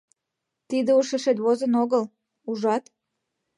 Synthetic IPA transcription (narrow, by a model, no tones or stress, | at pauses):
t̪id̪euʃeʃet̪βozənoɣəl | uʒɑt̪